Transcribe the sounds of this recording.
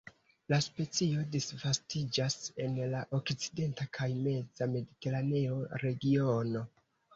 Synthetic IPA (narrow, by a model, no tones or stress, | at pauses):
laspe̞t͡sio̞disvastid͡ʒase̞nlaʔo̞kt͡side̞ntakʰajme̞d͡zame̞dite̞ɾane̞o̞ɾe̞ɡio̞no̞